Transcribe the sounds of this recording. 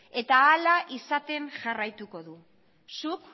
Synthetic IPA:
e̞t̪aːlaʔisat̪e̞nʝarajt̪uko̞ðu | suk

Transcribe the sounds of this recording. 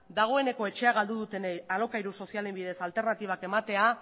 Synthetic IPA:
d̪aɣ̞o̞e̞ne̞ko̞e̞t͡ʃe̞aɣald̪uð̞ut̪e̞nealo̞kajɾuso̞siale̞mbiðe̞salt̪e̞ɾnat̪iβ̞ake̞mat̪e̞a

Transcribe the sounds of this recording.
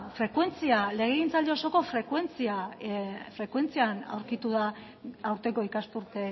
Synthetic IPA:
fɾe̞kwe̞nt͡siale̞ɣ̞eɣint͡sald̪eoso̞ko̞fɾe̞kwe̞nt͡sia | fɾe̞kwe̞nt͡siana̰wɾkit̪uða | awɾt̪e̞ko̞ikaspuɾt̪e

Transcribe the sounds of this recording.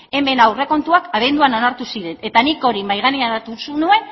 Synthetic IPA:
e̞mbe̞nawre̞ko̞nt̪uakaβ̞e̞nd̪uano̞naɾt̪usiɾe̞ne̞t̪aniko̞ɾimajɣ̞aneaat̪usunue̞n

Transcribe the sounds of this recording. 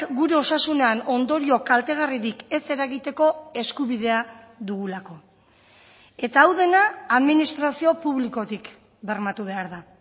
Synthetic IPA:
ɡuɾe̞o̞sasune̞ano̞nd̪o̞ɾio̞kalt̪e̞ɣ̞ariɾike̞se̞ɾaɣit̪e̞ko̞e̞skuβiðe̞a | ðuɣulako̞ | e̞t̪aːwðe̞naːðminist̪ɾasio̞puβliko̞t̪ik | be̞rmat̪uβ̞e̞aɾða

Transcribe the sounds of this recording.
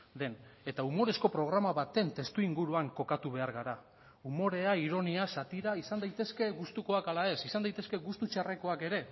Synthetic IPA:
d̪e̞ne̞t̪aumo̞ɾe̞sko̞pɾo̞ɣ̞ɾamaβat̪e̞nt̪e̞st̪uiŋɡuɾuaŋko̞kat̪uβe̞aɾɣaɾa | umo̞ɾe̞aiɾo̞niasat̪iɾaisand̪ajt̪e̞ske̞ɣust̪uko̞akalae̞sisand̪ajt̪e̞ske̞ɣust̪ut͡ʃare̞ko̞ake̞ɾe̞

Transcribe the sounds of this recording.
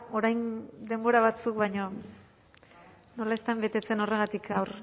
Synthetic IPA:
o̞ɾajnd̪e̞mbo̞ɾaβ̞at͡sukβajɲo | no̞laest̪ambe̞t̪e̞t͡se̞no̞re̞ɣ̞at̪ikawɾ

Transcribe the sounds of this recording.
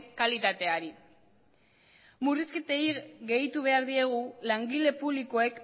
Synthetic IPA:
kalit̪at̪e̞aɾi | muriskit̪ejiɣe̞jt̪uβe̞aɾðie̞ɣ̞ulaŋɡile̞puβliko̞e̞k

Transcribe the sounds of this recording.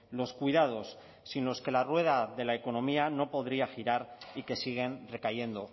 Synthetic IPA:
lo̞skwuijðaðo̞sː | inlo̞ske̞larwe̞ð̞aðe̞lae̞ko̞no̞miano̞po̞ðɾiaxiɾaɾike̞siɣ̞e̞nre̞kaje̞nd̪o̞

